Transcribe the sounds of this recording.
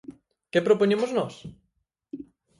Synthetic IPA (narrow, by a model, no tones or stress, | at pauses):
kepɾopoɲemoznɔs